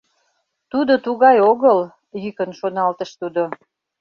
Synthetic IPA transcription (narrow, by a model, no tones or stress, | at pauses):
t̪ud̪ot̪uɣɑjoɣəl | jykənʃonɑlt̪əʃt̪ud̪o